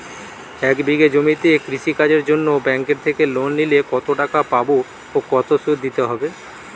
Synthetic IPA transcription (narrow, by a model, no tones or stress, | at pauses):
ɛkbiɡed͡ʑomit̪ekɾiʃikad͡ʑeɾd͡ʑonːobɛŋkeɾt̪ʰekelonːilekɔt̪oʈakapabo | okɔt̪osud̪d̪it̪eɦɔbe